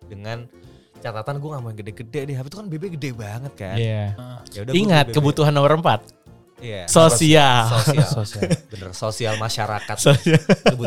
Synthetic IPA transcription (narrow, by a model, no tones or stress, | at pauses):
dəŋan | t͡ʃat̪at̪anɡuɛŋamanɡədɛɡədɛdɛapit̪ukanbebeɡədɛbaŋət̪̚kanjadiŋat̪̚kəbut̪uɦanːombəɾəmpat̪̚ | jasosial | bənə̰rsosialmaʃaɾakat̪sosia